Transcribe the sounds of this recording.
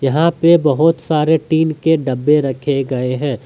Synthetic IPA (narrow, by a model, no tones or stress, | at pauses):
jɐɦãpebɐɦʊt̪saːɾeʈiːnkeɖɐbːeɾɐkʰeɡɐeɦɛ̃ː